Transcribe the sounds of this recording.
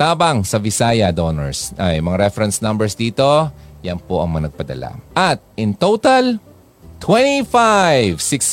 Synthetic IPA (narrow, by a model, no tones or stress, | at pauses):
t̪aːbɐŋsɐvɪsaːjɐd̪onɛ̰ɹsʔɐjmɐŋaɾɛfɛɾɐnsnɐmbɛɹsd̪iːt̪o̞jɐnpoʔɐ̰ŋmɐŋanɐɡ̚pɐd̪ɐ̰la̰ʔɐt̪̚ʔɪnt̪owt̪ɐl | t̪wɛnifajvsɪks